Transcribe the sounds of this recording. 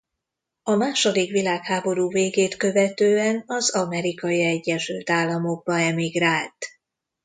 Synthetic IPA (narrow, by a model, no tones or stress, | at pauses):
ɒmaːʃo̞d̪ikʋilaːkhaːbo̞ɾuːveːɡeːt̪kø̞vɛt̪øːɛnɒzɒmɛɾikɒjiɛɟːɛnʃylt̪aːlːɒmo̞ɡ̚bɒɛmiɡraːlt̪